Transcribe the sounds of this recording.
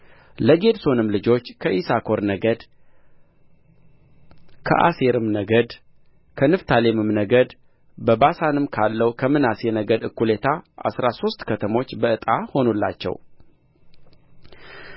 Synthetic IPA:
ləɡe̞d̪so̞nɨmlɨd͡ʒo̞t͡ʃːkʰəʔisakʰo̞ɾnəɡəd̪ | kʰə̰ʔa̰se̞ɾɨmnəɡəd̪ | kʰənɨft̪ʰalemɨmnəɡəd̪ | bəbasanɨmkʰalːəwkʰəmɨnasenəɡəd̪ɨkʰːulet̪ʰaʔa̰sɾaso̞st̪kʰət̪ʰəmo̞t͡ʃːbəɨt̪ʼaho̞nulːa̰t͡ʃːɛ̰w

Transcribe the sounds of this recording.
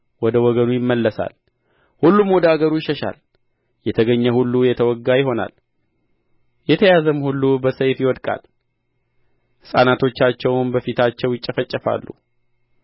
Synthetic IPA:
wɔd̪əwɔɡənujɪmːəlːəsa̰l | hulːumwɔd̪əaɡəɾujɪʃəʃa̰l | jɛt̪ʰəɡəɲːəhulːujɛt̪ʰəwɔɡːajɪɦo̞na̰l | jɛt̪ʰəjazəmhulːubəsəjfjɪwɔd̪kʼa̰l | hɨsʼanat̪ʰo̞t͡ʃːat͡ʃːɛwnbəfit̪ʰat͡ʃːɛwjɪt͡ʃʼːəfət͡ʃʼːəfa̰lːu

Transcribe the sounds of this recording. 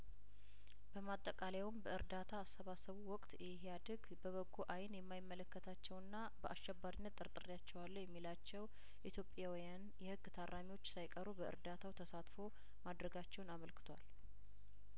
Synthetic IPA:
bəmat̪ʼːəkʼalewʊmbəɨɾd̪at̪ʰaːsːəβasəβuwɔkʼt̪jɛɦad̪əɡ | bəβəɡːuʔajnjɛmːajɪmːələkːət̪ʰat͡ʃːɛwɨnːa | bəʔaʃːɛbːaɾinːət̪ʼːɨɾt̪ʼɨɾjat͡ʃːɛwalːojɛmːilat͡ʃːɛw | ʔit̪ʰjo̞pʼːjawijan | jɛhɨɡːt̪ʰarʔamiwo̞t͡ʃːsajkʼəɾubəɨ̰ɾd̪at̪ʰawt̪ʰəsat̪fo̞ | mad̪ɾəɡat͡ʃːɛwnaməlkʰɨ̥t̪ʰʷal

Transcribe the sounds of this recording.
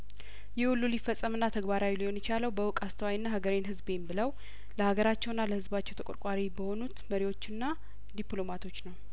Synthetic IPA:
jɛwulːulifəsʼːəmɨnːat̪ʰəɡbaɾawilihonjɛt͡ʃaləwbəwʊkʼast̪ʰəwajnːahaɡəɾenɦɨzbembɨləw | ləhaɡəɾat͡ʃːɛwɨnːaləhɨzbat͡ʃːɛwt̪ʰəkʼo̰ɾkʼaɾibəho̞nut̪məɾiwo̞t͡ʃːɨnːa | d̪iplo̞mat̪ʰo̞t͡ʃːnəw

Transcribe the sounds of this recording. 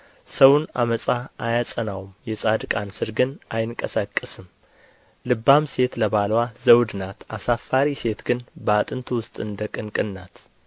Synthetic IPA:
səwʊna̰məsʼaajasʼənawmjɛsʼad̪ɨkʼansɨɾɡɨnʔajɨŋkʼəsakʼːɨsɨm | lɨbːamse̞t̪ləβalwazəwd̪ɨnat̪asafːaɾise̞t̪ɡɨnbəat̪ʼɨnt̪ʰwʊst̪ʼɨnd̪əkʼɨnkʼɨnːat̪

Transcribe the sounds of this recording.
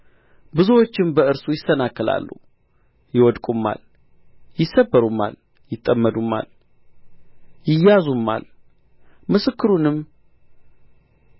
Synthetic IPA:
bɨzuwo̞t͡ʃːɪmbəɨɾsujɪsːənakːɨla̰lːṵhu | jɪwɔd̪kʼumːa̰l | jɪsːəbːəɾumːa̰l | jɪt̪ʼːəmːəd̪umːa̰l | jɪjazumːa̰l | mɨsɨkːɨɾunɨm

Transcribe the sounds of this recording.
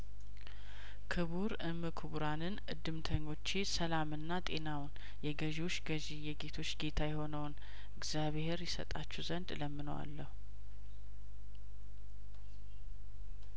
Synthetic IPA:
kʰɨβuɾɨmːɨkʰuβuɾanɨnʔɨd̪ːɨmt̪ʰəɲːo̞t͡ʃːisəlamɨnːat̪ʼe̞nawn | jɛɡəʒiwot͡ʃːɡəʒijɛɡe̞t̪ʰo̞t͡ʃːɡe̞t̪ʰajɛho̞nəwn | ɨɡz̥jaβheɾjɛsə̰t̪ʼat͡ʃːɛwzənd̪ləmːɨno̰wa̰lːəhu

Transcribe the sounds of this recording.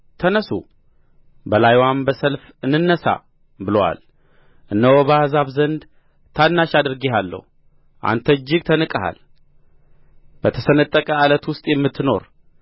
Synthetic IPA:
t̪ʰənəsṵ | bəlajwambəsəlf | ɨnːɨnːəsa̰ | bɨləwa̰l | ʔɨnːəwobəahzaβzənd̪ | t̪ʰanːaʃad̪ɨɾɡeɦalːə̰hu | ʔa̰nt̪ʰəɨd͡ʒːɪɡ̚t̪ʰənɨkʼəha̰l | b̥ət̪ʰəsənət̪ʼːəkʼəalət̪wʊst̪ʼjɛmːɨt̪ʰːɨno̞ɾ

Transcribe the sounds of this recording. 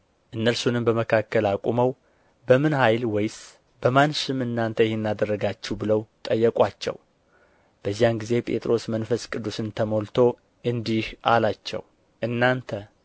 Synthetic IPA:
ʔɨnːəlsunɨmbəməkʰakːəlakʼuməw | bəmɨnhajlwɔjs | bəmanʃɨmɨnːant̪ʰəjɪhenːad̪ərːəɡat͡ʃːɛbɨləwt̪ʼəjːɛkʼwat͡ʃːɛ̰w | b̥əzːijanɡize̞pʼe̞̰t̪ʼɾo̞smənfəskʼɨd̪ːusɨnt̪ʰəmo̞lt̪ʰo̞ | ʔɨnd̪ihʔa̰lat͡ʃːɛ̰w | ʔɨnːant̪ʰə

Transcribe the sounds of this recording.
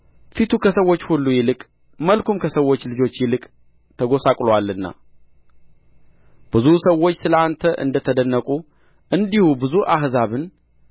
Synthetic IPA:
fit̪ʰukʰəsəwo̞t͡ʃːhulːujɪlɨkʼ | məlkʰumkʰəsəwo̞t͡ʃːlɨd͡ʒo̞t͡ʃːjɪlɨkʼ | t̪ʰəɡo̞sakʼlowalːɨnːa̰ | b̥ɨzusəwːo̞t͡ʃːsɨləant̪ʰəʔɨ̰nd̪ət̪ʰəd̪ənːəkʼu | ʔɨnd̪ihubɨzuʔahzaβɨn

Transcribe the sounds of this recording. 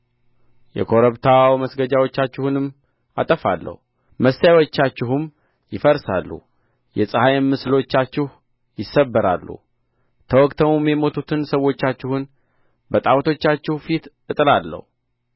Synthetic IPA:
jɛ̰kʰo̞ɾəβt̪ʰawawməsɡəd͡ʒawot͡ʃːat͡ʃːɪhunɨm | at̪ʼəfa̰lːə̰hu | məsajwot͡ʃːat͡ʃːɪɦʊm | jɪfəɾsa̰lːṵ | jɛsʼɨhajmmːɨslo̞t͡ʃːat͡ʃːɪh | jɪsːəbːəɾa̰lːṵ | t̪ʰəwɔkʼt̪ʰəmumjɛmo̞t̪ʰut̪ʰɨnsəwot͡ʃːat͡ʃːɪhʊn | bət̪ʼawt̪ʰo̞t͡ʃːat͡ʃːɪhfit̪ | ɨt̪ʼɨlalːə̰hu

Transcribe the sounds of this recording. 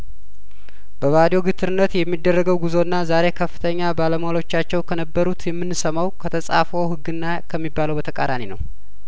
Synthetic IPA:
bəβad̪jo̞ɡɨt̪ʰɨɾɨnːət̪jɛmːid̪ːərːəɡəwɡuzo̞ɨnːazaɾe̞kʰəfːɨt̪ʰəɲːabaləmhlo̞t͡ʃːat͡ʃːɛwkʰənəbːəɾut̪jɛmːɨnsəmawkʰət̪ʰəsʼa̰foɦɨɡːɨnːakʰəmːibːaləwbət̪ʰəkʼa̰d̪aninəw

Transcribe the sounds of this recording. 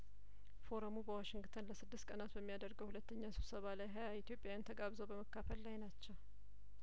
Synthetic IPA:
fo̞ɾəmubəwaʃɪŋɡt̪ʰənləsɨd̪ːɨst̪̚kʼənat̪bəmːijad̪əɾɡəwhulət̪ːəɲːasɨβsəβalajɦajait̪ʰijo̞pʼjajant̪ʰəɡaβzəwbəməkːafəlːajnat͡ʃːɛw

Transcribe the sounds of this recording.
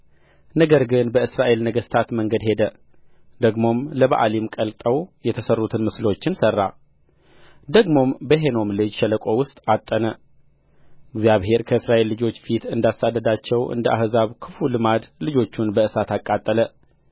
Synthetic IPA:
nəɡəɾɡɨnbəɨsɾaʔe̞lnəɡəst̪ʰat̪məŋɡəd̪he̞d̪ə | d̪əɡmo̞mləβaʔa̰limkʼəlt̪ʼəwjɛt̪ʰəsərːut̪ʰɨnmɨslo̞t͡ʃːɪnsərːa̰ | d̪əɡmo̞mbəɦeno̞mlɨd͡ʒʃɛləkʼo̞wʊst̪ʼat̪ʼːənə | ʔɨɡzijaβhe̞ɾkʰəɨsɾaʔe̞lːɨd͡ʒo̞t͡ʃːfit̪ɨnd̪asad̪ːəd̪at͡ʃːɛwʔɨ̰nd̪əʔa̰hzaβkʰɨfulɨmad̪lɨd͡ʒo̞t͡ʃːunbəʔɨsat̪akʼat̪ʼːələ

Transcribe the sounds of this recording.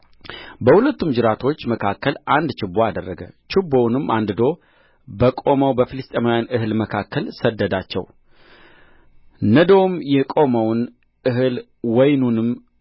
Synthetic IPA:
bəhulət̪ːumd͡ʒɨɾat̪ʰo̞t͡ʃːməkʰakːəlʔand̪t͡ʃɪbːoad̪ərːəɡə̰t͡ʃʰɪbːo̞wnɨmʔand̪ɨd̪o̞ | bəkʼo̞məwbəfilɨst̪ʼemajanɨɦɨlməkʰakʰːəlsəd̪ːəd̪at͡ʃːɛ̰w | nəd̪owmjɛkʼo̞məwn | ɨɦɨl | wɔjnunɨm

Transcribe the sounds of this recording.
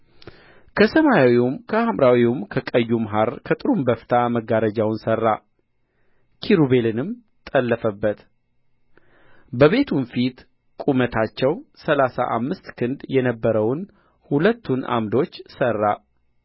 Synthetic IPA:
kʰəsəmajawiumkʰəamɾawiumkʰəkʼəjːumɦaɾkʰət̪ʼɨɾumbəft̪ʰaməɡaɾəd͡ʒawnsərːa | kʰiɾuβe̞lɨnɨm | t̪ʼəlːəfəbːət̪ | bəβe̞t̪ʰunfit̪ | kʼumət̪ʰat͡ʃːɛwsəlasa̰ʔa̰mːɨst̪kʰɨnd̪jɛnəbːəɾəwn | hulət̪ːunʔa̰md̪o̞t͡ʃːsərːa

